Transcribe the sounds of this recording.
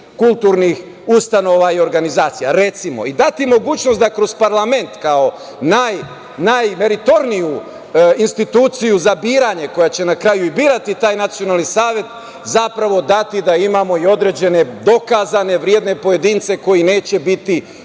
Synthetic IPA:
kulˠt̪uɾnix | ust̪ano̞ʋaio̞ɾɡanizaːt̪sija̰ɾe̞t̪simo̞̰id̪at̪imo̞ɡuːt͡ɕno̞st̪d̪akɾo̞z̥paɾlˠame̞nt̪kao̞ | naj | najme̞ɾit̪o̞ɾniju | inst̪it̪uːt̪sijuzabiːɾaɲe̞ko̞jat͡ɕe̞nakɾajuibiːɾat̪it̪aːjnat̪sio̞naːlnisaːʋje̞t̪ | zapɾaʋo̞d̪at̪id̪aimaːmo̞io̞d̪ɾe̞d͡ʑe̞ne̞d̪o̞kazane̞ʋɾje̞d̪ne̞po̞je̞d̪int̪se̞ko̞jine̞ːt͡ɕe̞bit̪i

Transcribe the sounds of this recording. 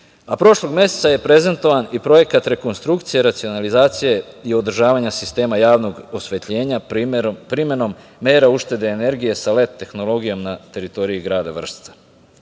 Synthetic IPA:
apɾo̞ʃlˠo̞ɡmje̞set̪saje̞pɾe̞ze̞nt̪o̞ʋanipɾo̞je̞kat̪ɾe̞ko̞nst̪ɾukt̪sije̞ɾat̪sio̞nalizaːt̪sije̞io̞d̪r̩ʒaːʋaɲasist̪e̞ːmajaːʋno̞ɡo̞sʋe̞t̪ʎe̞ːɲapɾime̞no̞mː | e̞ːɾauʃt̪e̞d̪e̞ːne̞ɾɡije̞sale̞t̪ːe̞xno̞lo̞ɡijo̞mnat̪e̞ɾit̪o̞ɾiiɡɾaːd̪aʋr̩st̪ḁ

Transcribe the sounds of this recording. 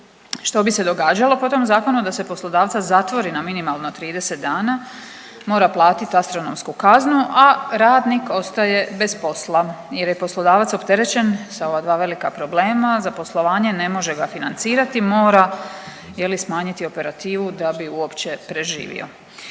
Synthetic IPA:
ʃt̪o̞bise̞d̪o̞ɡaːd͡ʑalo̞po̞t̪o̞mzaːko̞nud̪ase̞po̞slˠo̞d̪aːʋt̪azat̪ʋo̞ɾinaminimalˠnot̪ɾiːd̪ese̞t̪̚d̪aːna | mo̞ːɾaplˠaːt̪it̪iast̪ɾo̞nomskukaznuʔaɾaːd̪niko̞st̪aje̞be̞spo̞sla | jeɾje̞po̞slˠo̞d̪aːʋat̪so̞pt̪e̞ɾe̞t͡ɕe̞nsao̞ʋad̪ʋaːʋe̞likapɾo̞ble̞ːmazapo̞slˠo̞ʋaːɲe̞ne̞mo̞ʒe̞ɡafinant̪siːɾat̪imo̞ːɾa | jelismaːɲit̪io̞pe̞ɾat̪iːʋud̪abiuo̞pt͡ɕe̞pɾe̞ʒḭːʋḭo̞̰

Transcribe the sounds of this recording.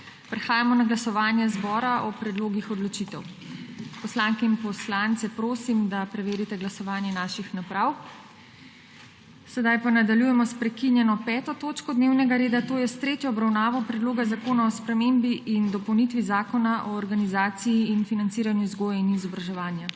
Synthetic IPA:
pɾɛxaːjamɔnaɡlasɔʋaːnjɛzbɔːɾaʔɔpɾɛd̪loːɡixɔd̪lɔt͡ʃit̪ɛw | pɔslaŋkɛinpɔslant̪sɛpɾoːsimd̪apɾɛʋeːɾit̪ɛɡlasɔʋaːnjɛnaːʃixnapɾaw | sɛd̪ajpanad̪aljujɛmɔspɾɛkinjɛnɔpɛːt̪ɔt̪oːt͡ʃkɔd̪neːwnɛɡaɾeːd̪at̪oːjɛst̪ɾeːt̪jɔːbɾawnaːʋɔpɾɛd̪loːɡazakoːnaɔspɾɛmembiʔind̪ɔpɔwnit̪ʋizaːkɔnaʔɔːɾɡanizaːt̪siiːnfinant̪siːɾanjuzɡoːjainizɔbɾaʒɛʋaːnja

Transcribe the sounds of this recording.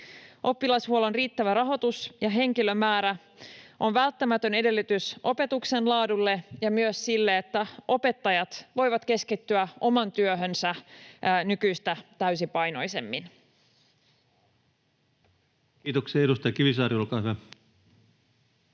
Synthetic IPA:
ʔo̞pːilɑshuolonriːt̪ːæʋæɾɑɦo̞t̪usjɑɦe̞ŋkilø̞mæːɾæ | ʔo̞nʋælt̪ːæmæt̪ø̞ne̞de̞lːyt̪ysʔo̞pe̞t̪ukse̞nlɑːdulːe̞jɑmyøsːilːeːt̪ːæʔo̞pe̞t̪ːɑjɑt̪ʋo̞jʋɑt̪ke̞skit̪ːyæʔo̞mɑnt̪yøɦønsæ | nykyjst̪æt̪æɥsipɑjno̞jse̞mːin | kiːt̪okseeɾust̪ɑjɑkiʋisɑːɾiolkɑːhyæ

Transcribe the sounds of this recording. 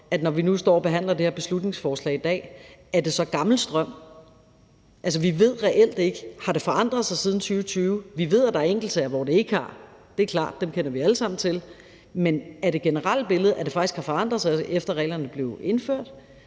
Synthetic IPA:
æd̥nɒʋinusd̥ɒ̰ːɒb̥e̝ɦæn̰lɐd̥eheɐb̥e̝slud̥ne̝ŋsfɒːslɛ̰ɪid̥ɛ̰ːæɐd̥e̝sɒ̽ɡ̥ɑ̈ml̩sd̥ʁɶm̰ | ʔæls̬əʋiʋe̝ð̞̰ˠʁɛʔel̰d̥e̝ɡ̥əhɑ̈d̥e̝fɒ̽ɑ̈n̰d̥ʁɐðˠsɑ̈ɪsið̞ˠn̩t͡sʰyːʊət͡sʰyːʊʋiʋe̝ð̞̰ˠæd̥ɑ̈æɐeŋɡ̥l̩t͡sʰːɐʋɒd̥e̝e̝ɡ̥ɑ̈d̥e̝æɐkʰlɑ̰̈ːd̥ːemkʰen̰ɐʋiæləsɑ̈m̰n̩t͡sʰe̝l | menæɐd̥e̝ɡ̥enəʁɑl̰̥b̥e̝ləð̩ˠʔæɐd̥e̝fɑ̈ɡ̥isɡ̥hɑ̈fɒ̽ɑ̈n̰d̥ʁɐðˠsɑ̈ɪʔefd̥ɐʁɛ̰ɪlɐnəb̥le̝ʊe̝nføɐ̰d̥

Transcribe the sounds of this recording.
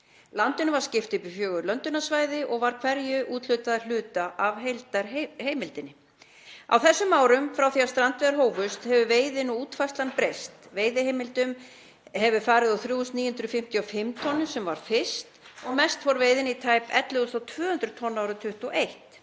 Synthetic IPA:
lant̪ʏnʏvaɾ̥scɪft̪ɪpɪfjœːɣʏɾlœnt̪ʏnasvaːjðɪʔɔɣvaɾ̥kʰv̥ɛɾjʏʔuːt̪lʏɥt̪aðal̥ʏːt̪aʔavɦejlt̪aɾheːjmɪlt̪ɪnːɪ | a̰wθɛsːʏmaːwɾʏmfɾawθiast̪ɾant̪vɛðɾɦoːwvʏst̪hɛvʏveːjðɪnɔuːt̪fajst̪lanpɾejst̪veːjðɪɦejmɪlt̪ʏm | hɛvʏfaːɾɪðawθɾjuːst̪niːjʏnd̪ɾʏfɪm̥t̪ʰiɔfɪmt̪ʰɔnːʏsɛmvaɾ̥fɪr̥st̪ɔɣmɛst̪vɔɾvejðɪnit̪ʰaːjpɛ̰t̪lɪʏθawt̪ʰvœːhʏnt̪ɾʏt̪ʰɔnːaːwɾʏt̪ʰʏht̪uʔejht̪

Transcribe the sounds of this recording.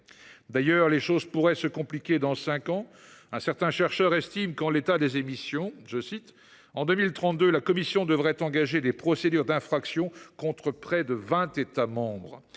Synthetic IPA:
d̪ajœʁleʃozpuʁɛsəkɔ̃plikʲed̪ɑ̃sɛ̃kɑ̃ɛ̃sɛʁt̪ɛ̃ʃɛʁʃœʁɛst̪imkɑ̃let̪ad̪ezemisjɔ̃ʒəsit̪ | ɑ̃d̪ømilt̪χɑ̃t̪̚d̪ølakɔmisjɔ̃d̪əvʁɛt̪ɑ̃ɡaʒed̪epχɔsed̪yʁd̪ɛ̃fχaksjɔ̃kɔ̃t̪χəpχɛd̪əvɛ̃t̪et̪amɑ̃bʁ

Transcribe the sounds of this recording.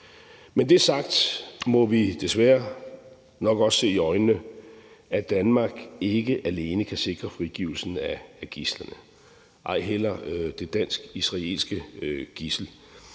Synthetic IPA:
mend̥e̝sɑ̈ɡ̥̚d̥mɒ̽ʋid̥e̝sʋæːɐ | nɒ̽ɡ̥ɒ̽sːe̝̰ːiɒ̽ɪnːə | æd̥ænmɑ̈ːɡ̥e̝ɡ̥əʔæle̝ːnəkʰæse̝ɡ̥ʁɐfʁiɡ̥ḭʊl̩sn̩ææɡ̥islɐnə | ʔɑ̈ɪ̰ɦel̰ɐd̥e̝d̥æn̰sɡ̥isʁɑ̈e̝̰ːlsɡ̥əɡ̥isl̩

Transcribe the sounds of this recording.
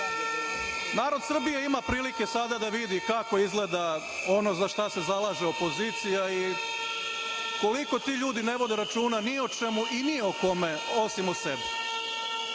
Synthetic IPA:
naːɾo̞d̪sr̩bije̞imapɾiːlike̞sad̪ad̪aʋid̪ikako̞izɡle̞d̪a | o̞no̞zaʃt̪ase̞zalˠaːʒeopo̞ziːt̪sijai | ko̞liko̞t̪iːʎuːd̪ine̞ʋo̞d̪eɾat͡ʃuːnanio̞t͡ʃemuʔinioko̞me | o̞simusebɛ

